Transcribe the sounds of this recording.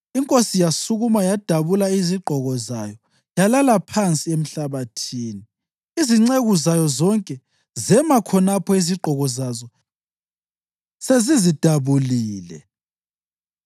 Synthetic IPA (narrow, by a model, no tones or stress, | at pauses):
iŋkʼosijasuɣumajad̥ʱaβulaiziɡ͡ǃʱɔɣɔzajɔ | jalalapʰant͡sʼiem̩ɬaβatʰiːni | iziŋ͡ǀeɣuzajɔzɔŋkʼɛ | zɛmakʰɔnapʰɔiziɡ͡ǃʱɔɣɔzazɔ | sezizid̥ʱaβuliːlɛ̰